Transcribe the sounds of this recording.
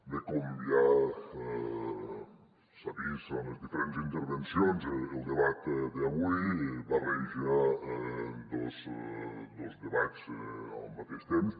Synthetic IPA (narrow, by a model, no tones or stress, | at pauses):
d̪əkumbia | saβisonəzðifeɾenzint̪əɾβənsionzəlˠd̪əβat̪d̪əβujβareʒia | d̪əz | d̪əlzdəβat͡sə̰lˠmat̪eʃt̪ems